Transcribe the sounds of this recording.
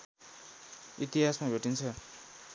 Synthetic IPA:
it̪iɦasmabʱeʈint͡sʰʌ

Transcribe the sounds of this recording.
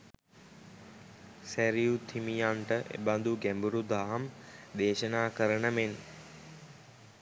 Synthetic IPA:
sæɾijut̪ʰimijaɳʈəʔḛband̪uɡɛmbuɾud̪ʱaːɦɐmd̪eːʃənaːkəɾəɳəmen

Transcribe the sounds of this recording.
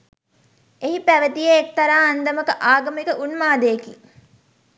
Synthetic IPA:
eɦipæʋɐd̪ijeek̚t̪ɐɾaːɐnd̪ɐmɐkɐʔaːɡɐmekɐʔunmaːd̪eːkḭ

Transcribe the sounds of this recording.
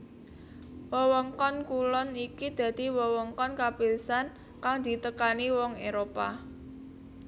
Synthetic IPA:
wɔwɔŋkɔnkulɔnikid̪̥ä̤d̪̥i̤wɔwɔŋkɔnkapilsan | kaŋd̪̥i̤t̪əkaniwɔŋeɾopa

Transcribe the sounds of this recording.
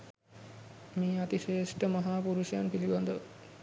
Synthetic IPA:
meːat̪iʃeːʂʈəmaɦaːpuɾuʃjanpiliband̪əʋ

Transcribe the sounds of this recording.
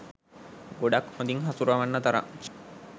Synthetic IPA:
ɡoɖakhõnd̪iŋɦasuɾaʋanːɐt̪aɾa̰

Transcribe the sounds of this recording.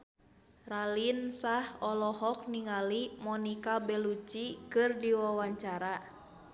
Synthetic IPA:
ralinsahɔlɔɦɔk̚niŋalimɔnikabɛlut͡ʃikɨrdiwawaɲt͡ʃaɾa

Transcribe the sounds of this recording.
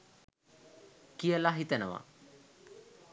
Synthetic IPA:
kijəlaɦit̪ənəʋa̰

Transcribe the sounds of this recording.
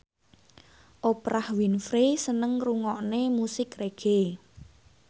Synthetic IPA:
ʔopɾʔahwinfɾesənəŋruŋɔʔnemusɪkreɡ̥e

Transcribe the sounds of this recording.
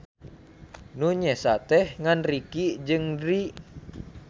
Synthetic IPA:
nuɲɛsat̪ɛhŋanrikid͡ʒɨŋdɾi

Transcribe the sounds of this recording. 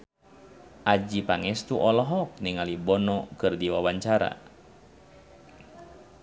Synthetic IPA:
ʔad͡ʒipaŋɛst̪uʔɔlɔɦɔk̚niŋalibɔnɔkɨrdiwawaɲt͡ʃaɾa̰

